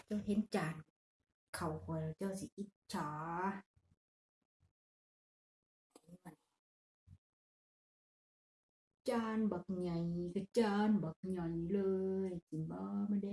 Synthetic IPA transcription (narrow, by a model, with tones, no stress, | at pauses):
t͡ɕa˧˨whe˧˥˦nt͡ɕaː˨˩n | kʰa˨˩wkʰɔ˨˧˨la˨˩t͡ɕa˧˩wsi˨˦ʔi˧˦t̪̚t͡ɕʰaː˨˦ | de˨˦ma˧˨ni˧˨ | t͡ɕaː˧˩nba˨˩k̚ɲa˨˩jka˧˩t͡ɕaː˧nba˨k̚ɲa˧˩jlɤː˧jki˨nbɔː˧˦ma˧de˧˦